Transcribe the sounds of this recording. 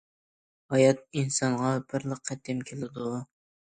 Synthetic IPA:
hɑjɑt̪̚insɑŋʁɑb̥ɪɾlˠəqʰːɛt̪ːɪmkʲʰelɪd̪u

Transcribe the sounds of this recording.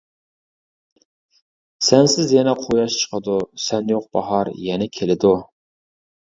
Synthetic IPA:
sɛnsɪzjɛnɛqʰojɑʃt͡ʃʰə̥qʰəd̪usɛnjoq̚b̥ɑ̰ɦɑɾjɛnɛkʲʰelɪd̪u

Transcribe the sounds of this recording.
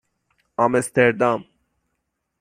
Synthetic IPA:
amɛst̪ʰɛɾd̪am

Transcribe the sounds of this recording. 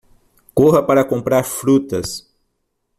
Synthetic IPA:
koɦɐpaɾɐkõmpɾaɾfɾut̪ɐs

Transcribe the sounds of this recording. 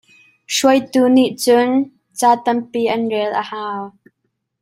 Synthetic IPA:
ʂuəjt̪uːniʔt͡sʊn | t͡saːt̪ɐmpiːʔɐnrɛlʔəhaːw

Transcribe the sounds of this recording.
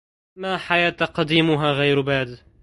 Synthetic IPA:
maːħajaːt̪aqɑd̪iːmʊɦaːɣajɾbaːd̪

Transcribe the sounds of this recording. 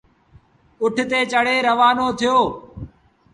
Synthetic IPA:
ʊʈʰt̪eːt͡ʃəɽeːɾəʋaːnoːt̪ʰɪjoː

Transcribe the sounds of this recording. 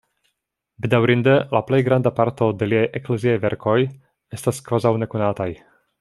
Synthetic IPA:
bid̪awɾind̪əlaplɛjɡɾand̪apaɾt̪od̪ɛliɛjʔɛklɛziɛjvɛɾkoj | ɛst̪askvazawnɛkonaːt̪aj

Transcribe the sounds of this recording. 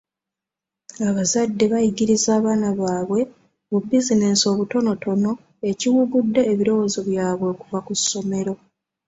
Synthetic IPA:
aβazadːe̞βajiɡiɾizaːβaːnaβaːβwe̞ | βubizine̞so̞ːβuto̞no̞to̞no̞ | e̞ciwuɡudːe̞ːβiɾo̞wo̞ːzoβjaːβwe̞ːkuvakusːo̞me̞ɾo̞

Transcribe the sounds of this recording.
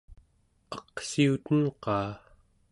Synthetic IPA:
ɑqsiut̪ənqɑː

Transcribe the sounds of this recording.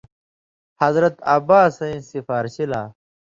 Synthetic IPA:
hɐzɾɐt̪ɐbaːsɐĩsifaːɾɕila̰ː

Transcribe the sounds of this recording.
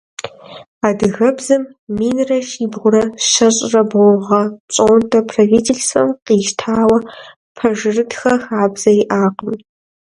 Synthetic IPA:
aːdɨɣɐbzɨmmiːnrɐʃiːbʁʷʊɾɐʃɐɕʼrɐbʊʁɐt͡ʃʼoːntʰʼɐpʰraviːtʰeɬsɐ̰mqiːʃtʰaːwɐ | pʰɐʒɨrɨdxɐxaːbz̥ɐiʔaːqəm

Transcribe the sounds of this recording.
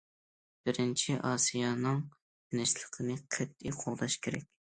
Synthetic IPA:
b̥ɪɾɪnt͡ʃʰiʔɑsijɑnɨŋ | t̪ʰɪnɪʃlˠəqʰənɨqʰæt̪ːɪqʰoʁˠd̪ɑʃkʲʰeɾɛ̰kʲ

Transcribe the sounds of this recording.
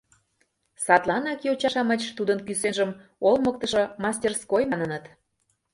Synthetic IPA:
sɑt̪lˠɑnɑkijot͡ɕɑʃɑmət͡ɕt̪ud̪ənkysenʒəmolˠmək̚t̪əʃŏmɑsʲtʲerskojmɑnənət̪

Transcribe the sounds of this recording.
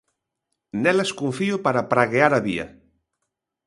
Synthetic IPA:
nɛlaskuɱfiopaɾapɾaɣeaɾaβia̰

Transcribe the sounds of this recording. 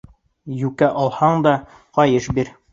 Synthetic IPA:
jʉkæʔɒlˠhɑɴd̪ɑ | qɒjɤʃbiɾ

